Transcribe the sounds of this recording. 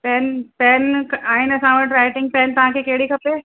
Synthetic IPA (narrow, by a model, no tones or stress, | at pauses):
pɛːnpɛːnkaːinɐsãːʋəʈɾaːɪʈɪ̃ŋɡ̚pɛːnt̪ɐɦãkekeːɽikʰɐpeː